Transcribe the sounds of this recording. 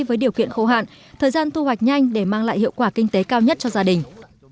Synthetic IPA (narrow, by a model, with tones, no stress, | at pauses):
vəː˨˦jɗi˨˩əwkḭ˧˨ənxo˧˩ɦa̰ː˧˨n | t̪ʰəː˨˩jzaː˧nt̪ʰu˧hwa˨˩jk̟̚ɲa˧jŋ̟ɗe˧˩maː˧ŋla̰ː˧˨jhḭ˧˨əwkwaː˧˩kï˧ŋ̟t̪e˨˦kaː˧wɲə˦˥t̚t͡ɕɔ˧zaː˧ɗï˨˩ŋ̟